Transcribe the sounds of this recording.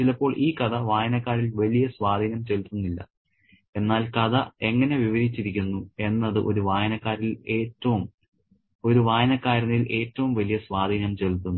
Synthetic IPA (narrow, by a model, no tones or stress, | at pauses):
t͡ɕilɐpːo̞ːɭʔiːkɐd̪ɐʋaːjɐnɐkːaːɾilʋɐlijɐsʋaːd̪ʱiːnɐmt͡ɕe̞lt̪ːunːilːɐ̰ | e̞nːaːlkɐd̪ɐe̞ŋːɐne̞ʋiʋɐɾit͡ɕːiɾikʲːunːue̞nːɐðɨʔo̞ɾuʋaːjɐnɐkːaːɾile̞ːtːɐʋum | o̞ɾuʋaːjɐnɐkːaːɾɐnilʔe̞ːtːɐʋumʋɐlijɐsʋaːd̪ʱiːnɐmt͡ɕe̞lt̪ːunːu